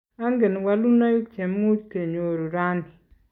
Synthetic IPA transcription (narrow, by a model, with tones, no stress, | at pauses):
a˦nɡe˨n˨wa˨lu˦na˦ju˦t͡ʃe˨mː˦u˦d͡ʒke˨ɲo˨ɾu˨ɾa˦ni˨